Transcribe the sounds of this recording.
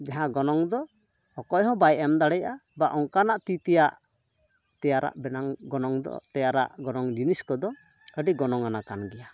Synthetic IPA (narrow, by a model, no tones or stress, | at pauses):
d͡ʒaɦãɡɔnɔŋd̪ɔ | ɔkɔjɦɔ̃bajʔɛmd̪aɽɛjabaʔɔŋkanaʔt̪it̪ɛjaʔ | t̪ɛjaɾa̰ʔbɛnaŋɡɔnɔŋd̪ɔ̰t̪ɛjaɾa̰ʔɡɔnɔŋd͡ʒiniskɔd̪ɔ | əɖiɡɔnɔŋanakanɡɛja